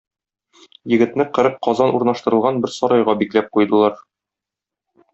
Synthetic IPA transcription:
jɘ̆ɡɘ̆t̪nɘqɤ̆ɾɤq̚qɒzɑnʔuɾnɑʃt̪ɤ̆ɾɤ̆lˠʁɑnbɘɾsɒɾɑjʁɑbiklæp̚qujd̪ɤ̆lˠɑɾ

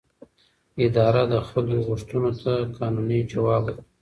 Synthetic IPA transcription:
ɪd̪ɑɾad̪əxaloɣʊʂt̪unot̪ʰakɑnunit͡ʃawɑba

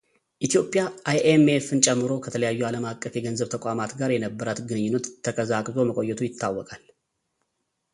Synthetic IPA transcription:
ʔit̪ʰijo̞pʼjaʔajʔemefɨnt͡ʃʼɛmːɨɾo̞kʰət̪ʰələjajːualəmakʼːəfjɛɡənzəβt̪ʰəkʷʼamat̪ɡaɾjɛnəbːəɾat̪ɡɨnɨɲːɪnːət̪ʰːəkʼəzakʼzo̞məkʼo̞jːɛt̪ʰujɪt̪ʰːawːɔkʼal

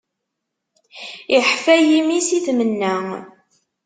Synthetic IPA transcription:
iħfæjimisiθmənːæ

